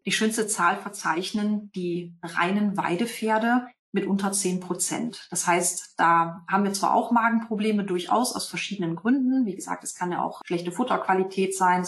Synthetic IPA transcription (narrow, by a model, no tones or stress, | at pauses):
d̥iːʃøːnstət͡saːlfɛɐt͡saɪçnənd̥iːʁa̰ɪnənva̰ɪdəfeːɐdə | mɪtʔʊntɐt͡seːnpʁ̥ot͡sɛ̰ntd̥ashaɪstd̥aːhaːbm̩viːɐt͡sv̥a̰ːʔa̰ʊxmaːɡŋ̩pʁ̥obleːmədʊɐçʔa̰ʊsa̰ʊsfɛɐʃiːdənənɡʁʏndn̩viːɡəza̰ːk̚tɛskʰanja̰ːʔa̰ʊxʃlɛçtəfʊtɐkv̥alitʰɛːtz̥aɪn